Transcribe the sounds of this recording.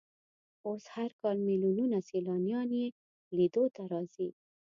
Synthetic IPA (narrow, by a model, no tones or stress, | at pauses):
oshaɾkɑlmilununaselɑnijɑne | lid̪ot̪aɾɑzi